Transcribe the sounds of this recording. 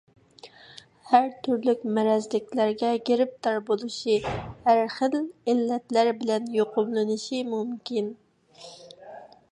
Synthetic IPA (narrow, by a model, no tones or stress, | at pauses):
hæɾt̪ʰyɾlykʲmɛɾɛzlɪkʲlæɾɡʲɛɡʲeɾɪp̚t̪ɑɾbolˠuʃihæɾχəlɪlːɛt̪læɾbɪlɛnjoqʰʊmlˠɨnɨʃimumkʲin